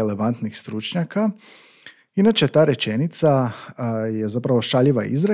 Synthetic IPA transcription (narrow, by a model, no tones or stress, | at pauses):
ele̞ʋant̪nixst̪ɾut͡ʃɲaka | inat͡ʃet̪aːɾe̞t͡ʃe̞nit̪sa | je̞zapɾaʋo̞ʃaʎiʋa̰ḭzɾa